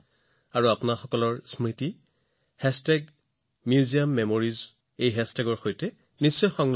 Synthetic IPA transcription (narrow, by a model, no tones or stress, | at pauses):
aɹuapunaxɔkɔlɔɹsmiti | hɛstɛɡ | mjuziamːɛmoɹiz | ejɦɛstɛɡɔɹxojtɛ | nisːɔjxɔŋl